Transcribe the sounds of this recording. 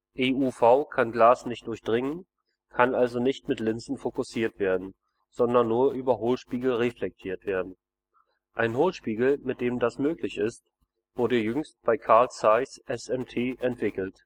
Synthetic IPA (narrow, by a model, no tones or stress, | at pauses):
ʔeːuːfaʊkʰanɡlaːsnɪçt̚d̥ʊɐçd̥ʁɪŋən | kʰanʔalzonɪçtmɪtlɪnzn̩fokʊsiːɐtv̥eːɐdn̩ | z̥ɔndɐnːuːɐʔyːbɐɦoːlʃpiːɡl̩ʁeflɛk̚tʰiːɐtv̥eːɐdn̩ | ʔaɪnɦoːlʃpiːɡl̩mɪt̚d̥eːmdasmøːklɪçɪst | v̥ʊɐdəjʏŋst̚b̥aɪkʰaɐlsaɪsʔɛsɛmtʰeːʔɛntv̥ɪkl̩t